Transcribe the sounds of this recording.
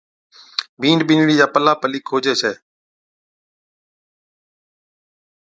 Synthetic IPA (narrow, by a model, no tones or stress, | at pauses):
bʱiːɳɖɓɪːnɽiːd͡ʒaːpəlaːpəliːkʰoːd͡ʒeːsɛː